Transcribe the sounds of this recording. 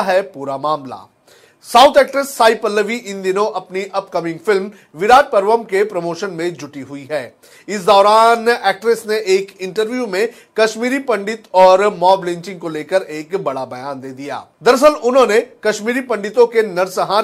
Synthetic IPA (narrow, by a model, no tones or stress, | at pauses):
ɦɛpuːɾamaːmla̰ː | saːʊt̪ʰɛːkʈɾəsːaːipəlːəʋiʔɪ̃nd̪ɪnõʔɐpniʔɐp̚kɐmɪ̃ŋɡfɪlm | ʋɪɾaːd͡ʒ̚pɐɾʋəmkepɾɐmoːʃənmẽd͡ʒʊʈiɦʊiɦɛː | ɪsd̪ɔːɾaːnɛːk̚ʈɾɪsneʔeːkɪ̃ɳʈəɾʋjumẽ | kɐʃmiːɾipɐ̃ɳɖɪt̪ɔːɾmɔːblɪ̃ɲt͡ʃɪ̃ŋɡkoleːkəɾeːkbɐɽabɐjaːnd̪eːd̪ija̰ːd̪ɐɾs̬əlʊnɦõːnekɐʃmiːɾipɐ̃ɳɖɪt̪õkenɐɾsəɦaː